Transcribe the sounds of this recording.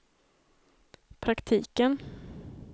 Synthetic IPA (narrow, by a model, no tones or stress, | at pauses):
pʰɾakt̪ʰiːkən